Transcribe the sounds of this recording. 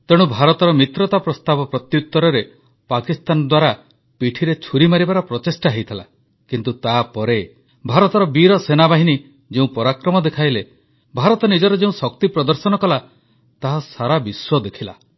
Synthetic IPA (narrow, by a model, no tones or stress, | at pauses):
t̪eɽ̃ubʱaɾɔt̪ɔɾɔmit̪ɾɔt̪apɾɔst̪abɔpɾɔt̪jut̪ːɔɾɔɾe | pakist̪anɔd̪waɾa | piʈʰiɾet͡ʃʰuɾimaɾibaɾɔpɾɔt̪esʈaɦejt̪ʰila̰ | kint̪ut̪apɔɾe | bʱaɾɔt̪ɔɾɔbiɾɔsenabaɦini | d͡ʒeũpɔɾakɾɔmɔd̪ekʰajle | bʱaɾɔt̪ɔnid͡ʒɔɾɔd͡ʒeũsɔkt̪ipɾɔd̪ɔɾsɔnɔkɔla | t̪aɦasaɾabiswɔd̪ekʰila̰